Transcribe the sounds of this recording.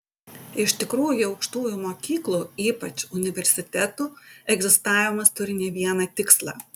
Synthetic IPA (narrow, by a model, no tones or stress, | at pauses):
ɪʃt̪ʲɪkɾuːjʊɒʊkʃt̪uːjʊmoːkʲiːklˠuːiːpɐt͡ʃʊnʲɪʋʲɛɾʲsʲɪt̪ʲɛt̪uːɛɡzʲɪst̪ɑːʋʲɪmɐst̪ʊɾʲɪnʲɛʋʲiɛnɐt̪ʲɪkslˠɑ̰ː